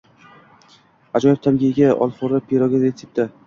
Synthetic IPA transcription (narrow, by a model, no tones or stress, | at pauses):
ad͡ʒɒjɪb̚t̪ʰamɡʲiɡʲaɒ̰lˠfoɾapʰeɾɒɡʲazeɪp̚t̪a